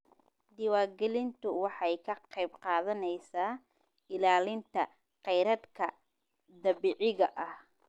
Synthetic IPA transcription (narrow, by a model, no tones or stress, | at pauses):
d̪ɪwaːrɡɛlɪnt̪ʰʊwɑħɑjkʰɐqɑjbqɑːðɐnɛjsaː | ɪlaːlɪnt̪ʰɐ̰ | qɛjɾɐd̪kʰɐ | d̪ɐβiːʕɪɣɐʔɐh